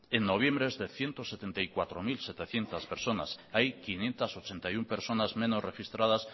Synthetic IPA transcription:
eŋno̞β̞jẽ̞mbɾezðeθje̞nt̪oset̪ent̪ajkwat̪ɾomilset̪eθje̞nt̪aspeɾso̞na̰sajkinje̞nt̪aso̞t͡ʃent̪ajumpeɾso̞nazmẽno̞srexist̪ɾað̞as

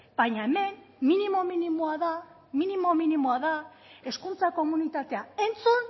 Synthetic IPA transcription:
b̥ajɲaeme̞mminimo̞minimoaða | minimo̞minimoaða | e̞skunt͡sako̞munit̪at̪e̞ae̞nt͡sun

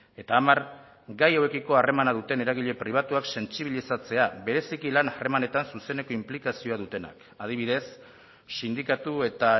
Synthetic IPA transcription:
e̞t̪aːmaɾ | ɡajawekiko̞are̞manaðut̪e̞ne̞ɾaɣ̞iʎe̞pɾiβ̞at̪uakse̞nt͡siβ̞ilisat͡se̞aβe̞ɾe̞sikilanare̞mane̞t̪ansuse̞ne̞ko̞implikasio̞að̞ut̪e̞na̰k | að̞iβiðe̞s | sind̪ikat̪ue̞t̪a

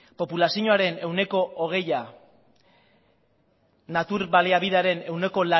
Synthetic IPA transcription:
po̞pulasiɲoaɾe̞ne̞wne̞ko̞ʔːɣ̞e̞ja | nat̪uɾβaleaβiðaɾe̞ne̞wne̞ko̞la

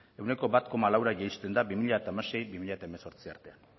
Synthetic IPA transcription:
e̞wne̞ko̞bat̪ko̞malawɾaʝejst̪e̞nd̪abimiʎaet̪aemase̞jbimiʎaet̪aemeso̞ɾt͡sia̰ɾt̪e̞an

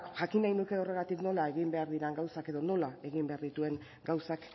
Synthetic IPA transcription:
ʝakinajnuke̞o̞re̞ɣat̪ikno̞lae̞ɣ̞imbe̞aɾðiɾaŋɡawsake̞ðo̞no̞lae̞ɣimbe̞aɾðit̪ue̞ŋ | ɡawsak

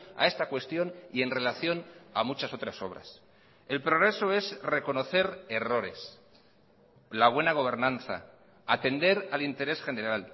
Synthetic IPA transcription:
a̰e̞st̪akwe̞st̪jo̞nie̞nre̞laθjo̞namut͡ʃaso̞t̪ɾaso̞̰βɾa̰s | e̞lpɾo̞ɣ̞ɾe̞so̞e̞zre̞ko̞no̞θe̞ɾe̞ro̞ɾe̞̰s | laβ̞we̞naɣ̞o̞β̞e̞ɾnãnθa̰ | at̪e̞nd̪e̞ɾalint̪e̞ɾesxe̞neɾal

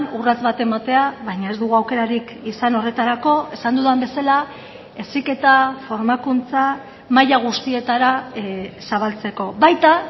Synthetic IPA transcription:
nurat͡sβat̪e̞mat̪e̞aβajɲae̞zd̪uɣuawke̞ɾaɾikisano̞re̞t̪aɾako̞e̞sand̪uðambe̞sala | e̞sike̞t̪afo̞ɾmakunt͡sa | majaɣ̞ust̪ie̞t̪aɾa | saβalt͡se̞ko̞βajt̪a

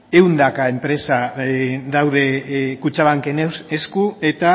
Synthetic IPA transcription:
e̞wnd̪akae̞mpɾe̞sa | ðawðe̞kut͡ʃaβaŋkeneeskue̞t̪a

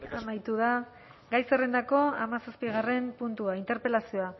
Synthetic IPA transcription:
amajt̪uða | ɡajsere̞nd̪ako̞amasaspiɣ̞are̞mpunt̪uaint̪e̞ɾpe̞lasio̞a

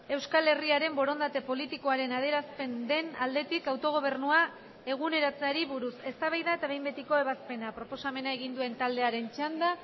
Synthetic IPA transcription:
e̞wskale̞riaɾe̞mbo̞ɾo̞nd̪at̪e̞po̞lit̪iko̞aɾe̞nað̞eɾaspe̞nd̪e̞nald̪e̞t̪ikawt̪o̞ɣ̞o̞β̞e̞rnua | e̞ɣ̞une̞ɾat͡seaɾiβuɾuse̞st̪aβajðaet̪aβe̞jmbe̞t̪iko̞e̞β̞aspe̞napɾo̞po̞same̞naeɣ̞ind̪ue̞nt̪ald̪e̞aɾe̞nt͡ʃand̪a

